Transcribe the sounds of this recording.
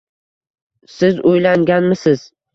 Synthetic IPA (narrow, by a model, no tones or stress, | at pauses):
sɪzojlaŋɡʲanmɪsɪz̥